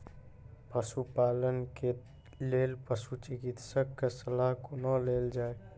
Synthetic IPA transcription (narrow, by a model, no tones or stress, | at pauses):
pəsupalənke | lelpəsut͡ʃikit̪səkːesəlaɦkonəleld͡ʒae